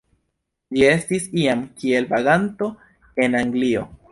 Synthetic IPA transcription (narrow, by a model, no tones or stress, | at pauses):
d͡ʒie̞stisiamkie̞lbaɡanto̞ | e̞naŋɡlio̞